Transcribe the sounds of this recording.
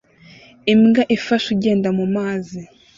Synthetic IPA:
imŋɡaʔifaʃuɟe̞ːndamumaːzi

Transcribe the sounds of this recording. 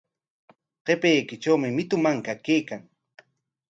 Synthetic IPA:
qepejkɪt͡ʃawmɪmɪt̪ʊmaŋkakejkaŋ

